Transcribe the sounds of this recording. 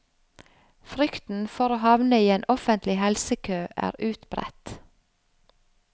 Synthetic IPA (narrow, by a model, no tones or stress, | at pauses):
fɾʏkt̪n̩fɔɾoːhɑʋnəiːeːnʔɔfənt̪lɪhɛlsəkʰøːʔæ̰ːɾʉːt̪b̥ɾɛ̰t̪